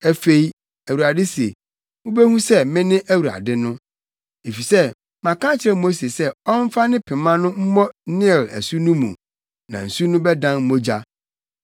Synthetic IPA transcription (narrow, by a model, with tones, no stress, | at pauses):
æ˦fe˦i˦ | æ˨wu˨a˨dɪ˦si˨ḛ˨ | mʊ̃˦be˦hũ˦sɛ˦mɪ̃˦nɪ̃˦ʔæ˦wu˨ɾa̰˨dɪ˦nʊ̃˦ | e˨fi˨sɛ˦ | mã˨kʰã˦t͡ɕʰɪ˨ɾɛ˦mo˦se˨sɛ˦ɔ˦m̩˦fa˦nɪ̃˦pʰɪ̃˨mã˦nʊ̃˦m̩˦mɔ̃˦nɪ̃˦˨læ̰˨su˦nũ˦mṵ̃˨ | nã̰˨n̩˨su˦nʊ̃˦bɛ˦dã˦n˦mo˦d͡ʑa˦